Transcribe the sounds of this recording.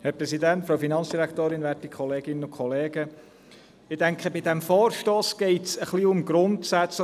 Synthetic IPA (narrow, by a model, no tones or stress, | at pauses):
hɛɾpɾɛsidæntfɾoʊfinɑnt͡ssd̥iɾækt̪oːɾɪnʋæɾtikʰχɔleːɡɪnəʊkʰχɔleːɡ̥ə | ɪdæŋkχəbɪdæmfɔːɾʃtoːsɡ̥ɛɪtsəχliʊmɡɾʊntsæt͡s